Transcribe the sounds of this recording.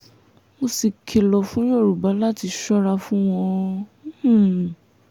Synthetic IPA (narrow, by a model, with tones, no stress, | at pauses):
mo˧si˧kʰe˧lɔ˧fũ˦j̃o˦˨ɾu˨ba˨˦la˦ti˧ʃɔ˦ɾa˧fũ˦w̃ɔ̃˧˦h̩˨